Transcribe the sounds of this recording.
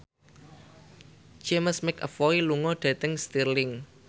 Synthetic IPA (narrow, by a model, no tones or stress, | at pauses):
d͡ʒ̥eməsmɪkə̰fɔɾiluŋɔɖ̥a̤t̪əŋst̪irlɪŋ